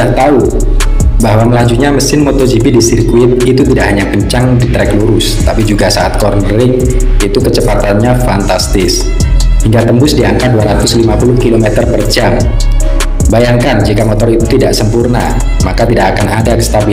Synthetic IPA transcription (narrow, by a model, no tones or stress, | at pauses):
aht̪au | bahɦwaməlad͡ʒuɲaməsɪnmot̪ɔd͡ʒipidisirkuɪt̪̚it̪ut̪idaʔɦaɲapəɲt͡ʃaŋdit̪ɾɛkluɾʊst̪apid͡ʒuɡasaʔat̪̚kɔrnɾɪŋ | it̪ukət͡ʃəpat̪anɲafant̪ast̪ɪs | hiŋɡat̪əmbʊsdiaŋkat̪̚duaɾat̪ʊslimapulʊhkilomɛt̪ərpərd͡ʒam | bajaŋkand͡ʒikamɔt̪ɔrit̪ut̪idaʔsəmpurna̰ | makat̪idakakanadakə̥st̪abi